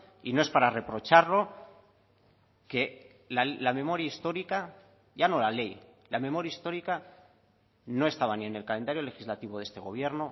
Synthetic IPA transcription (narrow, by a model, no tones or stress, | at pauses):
inoe̞spaɾare̞pɾo̞t͡ʃaɾlo̞ | ke̞ | lalamẽ̞mo̞ɾjaist̪o̞ɾika | ʝano̞lale̞j | lame̞mo̞ɾjaist̪o̞ɾika | no̞e̞st̪aβanie̞ne̞lkale̞nd̪aɾjo̞le̞xizlat̪iβo̞ðe̞st̪e̞ɣ̞o̞β̞je̞ɾno̞